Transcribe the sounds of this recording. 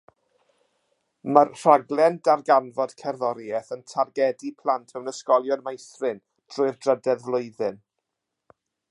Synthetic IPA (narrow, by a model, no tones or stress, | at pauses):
mərr̥aɡlˠɛndarɡanvɔd̥kʰɛrðɔɾjɛθəntʰarɡɛdipʰl̥ˠantʰɛwnəskɔlˠjɔnmajθrɪn | d̥rʊɨrdrədɛðvlˠʊɨðɨn